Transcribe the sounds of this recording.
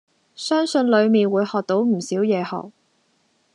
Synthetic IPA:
sœː˥ŋsɵ˧nlɵ˨˧ɥmiː˨nwuː˨˧jhɔː˨k̚t̪o˨˥wm̩˨˩siː˨˥wjɛː˨˧hɔ̰ː˨k̚

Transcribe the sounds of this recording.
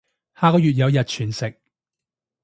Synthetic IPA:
haː˧kɔː˧jyː˨t̬̚jɐ˨˧wjɐ˨t̚t͡ʃʰyː˨˩nsɪ˨k̚

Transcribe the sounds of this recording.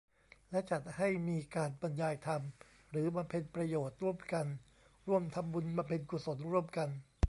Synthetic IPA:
lɛ˦˥t͡ɕa˨˩t̪̚ha˥˩jmiː˧kaː˧nba˧njaː˧jt̪ʰa˧m | ɾɯː˩˦ba˧mpʰe˧npɾa˧joː˨˩t̪̚ɾu˥˩əmka˧n | ɾu˥˩əmt̪ʰa˧mbu˧nba˧mpʰe˧nku˨˩so˩˦nɾu˥˩əmka˧n

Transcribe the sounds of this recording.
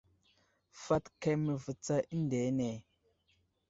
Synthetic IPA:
fa˦tke˦mə˨və˨t͡sa˦ʔi˦nde˨˦ne˨

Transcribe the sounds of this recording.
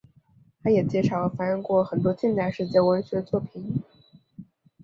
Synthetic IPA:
t̪ʰa˧˥jɛ˨˩t͡ɕjɛ˧˥ʂɑ˨˩ʊlə˧˩fa˧˥ʂə˥˧ŋkwɔ˥˩xə˨˩nt̪̬wɔ˥t͡ɕi˥˧nt͡s̪a˥˧ɪʂɻ̩˥˧t͡ɕjɛ˥˩wə˧˥ɪɕɥɛ˧˥ə˧t͡swɔ˥˩pʰi˨˩˦n

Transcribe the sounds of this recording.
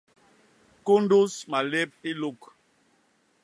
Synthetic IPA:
ku˦n˦du˦sma˨le˦p̚i˦lu˦k

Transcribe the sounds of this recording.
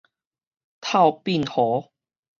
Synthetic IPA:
t̪ʰa˥˧wpi˥˨nhɔ˨˦

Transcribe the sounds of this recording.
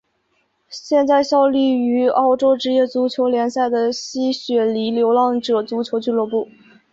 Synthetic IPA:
ɕjɛ˥˧nt͡sa˥˧ɪɕjɑ˥˧ʊly˥˩y˧˥ɑ˥˩ʊʈ͡ʂo˥ʊʈ͡ʂɻ̩˥jɛ˥˩t͡su˧˥t͡ɕʰjo˧˥ʊljɛ˧˥nsa˥˩ɪd̪ə˩ɕi˥ɕɥɛ˨˩li˧˥ljo˧˥ʊlɑ˥˩ŋʈ͡ʂɤ˨˩t͡su˧˥t͡ɕʰjo˧˥ʊt͡ɕy˥˧lwɔ˥˧pu˥˩

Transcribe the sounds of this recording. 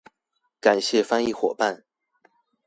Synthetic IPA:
ka˨˩nɕjɛ˥˩˨fa˥ni˥˩xwɔ̰˨˩pa˥˨n

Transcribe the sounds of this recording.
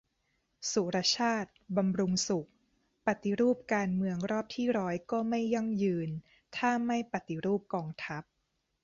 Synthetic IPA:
su˨˩ɾa˧˥t͡ɕʰaː˥˩t̪̚ba˧mɾu˧ŋsu˨˩k̚ | pa˨˩t̪i˧˦ɾuː˥˩p̚kaː˧nmɯ˧əŋɾɔː˥˩p̚t̪ʰiː˥˩ɾɔː˦˥jkɔː˥˩ma˥˩jːɔ˥˩ŋjɯː˧n | t̪ʰaː˥˩ma˥˩jpa˨˩t̪i˧ɾuː˥˩p̚kɔː˧ŋt̪ʰa˦˥p̚

